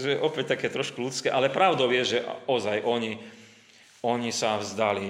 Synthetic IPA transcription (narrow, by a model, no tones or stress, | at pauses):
zuɛʔɔpɛc̚t̪akɛːt̪ɾɔʃkulut͡skɛːʔalɛpɾaʊd̪ɔʊjɛʒɛʔɔzajʔɔɲi | ɔɲisavzd̪ali